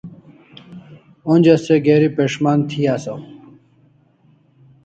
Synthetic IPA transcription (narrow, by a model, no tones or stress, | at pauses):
onʲd͡ʑɐseɡeːɾipeʂmaːnt̪ʰiaːso